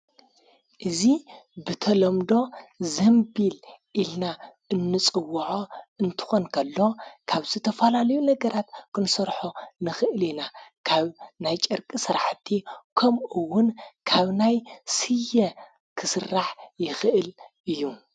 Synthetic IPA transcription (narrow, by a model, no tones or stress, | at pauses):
ʔɨzibɨt̪ʰɐlɐmd̪o̞zɐmbilʔilna | ɨnːɨt͡sʼɨwːʕoɨnt̪ʰɨ̥xo̞nkʰɐlːo̞kʰaβzɨt̪ʰɐfɐlalɐjunɐɡɐɾat̪kʰɨnsɐɾħonɨxɨʔɨlinakʰaβnajt͡ʃʼɨɾkʼisɨɾaħt̪ʰːikʰɐmʔuwːʊnkʰaβnajsɨjːɐ | kʰɨsɨrːaħjɪxɨʔɨlɨjːu